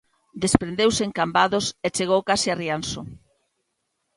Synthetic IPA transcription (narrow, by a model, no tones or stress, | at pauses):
d̪espɾend̪ewseeŋkambaðoset͡ʃeɣ̞owkasiarianso